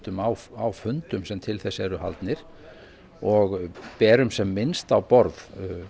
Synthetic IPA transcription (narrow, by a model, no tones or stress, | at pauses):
t̪ʏmawawfʏnt̪ʏmsɛmt̪ʰɪlθɛsːɛɾʏha̰lt̪nɪɾ̥ | ɔɣpɛːɾʏmsɛmːɪnst̪awpɔɾð